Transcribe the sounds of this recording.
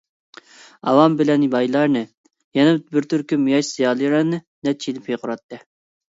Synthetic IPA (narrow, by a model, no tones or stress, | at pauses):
ɑ̰wɑmbɪlɛnbɑjlˠɑɾnɨ | jɛnɛbɪɾt̪ʰyɾkʲymujɑʃz̥ijɑːlˠjɾɑnɨ | d̪ɛt͡ʃʰilɪpʰeqʰʊɾɑt̪ːɨ